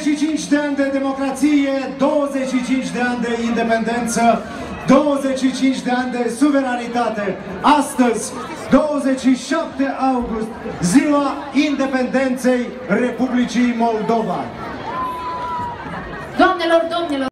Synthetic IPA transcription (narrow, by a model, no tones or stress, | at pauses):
ʃit͡ʃint͡ʃʲd̪eanʲd̪e̞d̪e̞mo̞kɾat̪sijed̪o̞wəze̞t͡ʃʃit͡ʃint͡ʃʲd̪e̞anʲd̪e̞ind̪e̞pe̞nd̪e̞nt̪sə | d̪o̞wəze̞t͡ʃʃit͡ʃint͡ʃd̪e̞anʲd̪e̞suve̞ɾanit̪at̪e̞ | ast̪əzʲ | d̪o̞wəze̞t͡ʃʃiʃap̚t̪e̞ʔawɡust̪ziwa | ind̪e̞pe̞nd̪e̞nt̪se̞j | re̞publit͡ʃijmo̞ld̪o̞va | d̪oamnelord̪omnilo